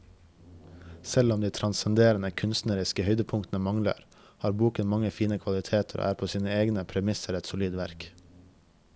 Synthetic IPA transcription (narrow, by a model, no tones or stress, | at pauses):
sɛlɔmd̪iːt̪ʰɾɑnsɛnd̪eːɾənəkʰʉnst̪nəɾɪskəhœʏd̪əpʰʊŋt̪n̩əmɑŋlə̰ɾ | hɑːɾbuːkənmɑŋəfiːnəkʰʋɑlɪt̪ʰeːt̪ʰəɾo̰ːʔæːɾpʰoːsiːnəeːɡnəpʰɾɛmɪsəɾɛt̪sʊliːd̪ʋæɾk